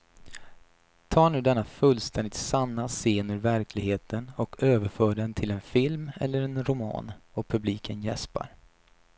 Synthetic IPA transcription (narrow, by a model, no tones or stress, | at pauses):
t̪ʰɑːɳʉ̟ːd̪ɛnːafɵlst̪ʰɛnd̪ɪt̪sanːaseːnɵɾvæɾkʰlɪɡheːt̪ʰənɔkʰøːvəɾfœːɖɛnt̪ʰɪlɛnfɪlmɛ̰lːəɾɛnɾʊmɑ̰ːnɔpʰɵbliːkʰənjɛspa̰ɾ